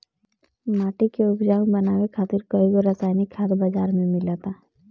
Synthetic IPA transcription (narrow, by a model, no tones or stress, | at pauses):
maːʈikeʊkd͡ʒaːʊ̃ŋbənaːwekʰaːt̪ɪɾkəiɡoɾɐsaːjnikʰːaːt̪bəd͡ʒaːɾmẽmɪlat̪aː